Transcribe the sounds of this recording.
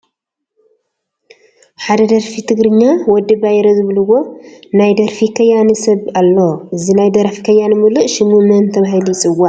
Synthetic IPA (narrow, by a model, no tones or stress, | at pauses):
ħad̪ɐd̪ɐɾfit̪ʰɨɡɾɨɲːawɔd̪ːɨbajɛɾozɨβɨlɨwo̞najd̪ɐɾfikʰɐjːanisɐβalːoʔɨzinajd̪ɐɾfi̥kʰɐjːanmɨlɨʔʃɪmumɐnt̪ʰɐβaɦilujt͡sʼɨwaʔ